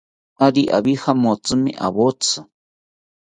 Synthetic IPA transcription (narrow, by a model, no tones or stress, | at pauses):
aɾiʔa̰βihamot͡sʼɨmḭ̃ʔa̰βot͡sʰɨ